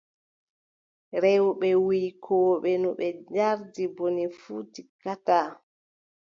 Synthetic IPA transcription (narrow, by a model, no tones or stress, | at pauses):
ɾɛwɓɛwikʰɔːɓɛnuɓɛd͡ʒaɾdibonifuːtikata